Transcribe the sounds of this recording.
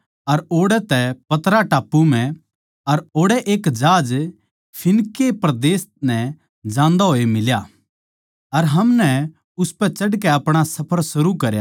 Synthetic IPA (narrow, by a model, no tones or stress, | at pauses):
ɐɾoːɽɛt̪ɛpɐt̪ɾaʈaːpːumɛ̃ | ɐɾoːɽɛʔeːkd͡ʒaːd͡ʒ | pʰɪnkːepɾɐd̪eːsnɛ | d͡ʒãːnd̪aɦoːemɪlja | ɐɾɦɐmnɛ | ʊspɛt͡ʃɐɖkɛɐpɽ̃asɐpʰəɾsʊɾukɐɾja̰